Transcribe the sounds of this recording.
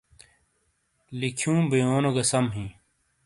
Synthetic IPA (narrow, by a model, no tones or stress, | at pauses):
likʰjũːbijoːnoɡɐsɐmɦĩː